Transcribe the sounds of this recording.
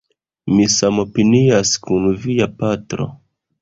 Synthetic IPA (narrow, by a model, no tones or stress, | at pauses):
misamopiniaskunvijapatɾo̰